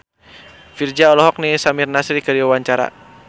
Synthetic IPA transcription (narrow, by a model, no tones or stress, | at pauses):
fird͡ʒaɔlɔɦɔk̚nisamirnasɾikəɾiwawaɲt͡ʃaɾa̰